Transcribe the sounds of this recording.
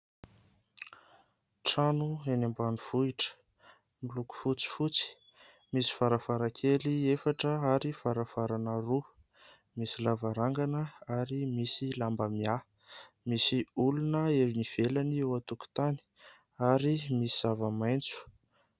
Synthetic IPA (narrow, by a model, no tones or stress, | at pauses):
ʈ͡ʂanuenambaniv̥uiʈ͡ʂə̥ | miluku̥fut͡si̥fut͡si̥ | misi̥faɾafaɾakʰeliefaʈ͡ʂəaɾifaɾavaɾanəru | misilavaɾaŋɡanəaɾimisilambəmia | misiulunəeɾiniv̥elaniewat̪uku̥t̪ani̥ | aɾimisiz̥avamajnt͡su̥